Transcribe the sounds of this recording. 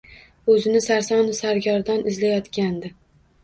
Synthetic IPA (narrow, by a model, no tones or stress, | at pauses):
ɵzɪnɪsaɾsɒnɪsaɾɡʲɒɾd̪anɪzlajɒt̪kʲand̪ɪ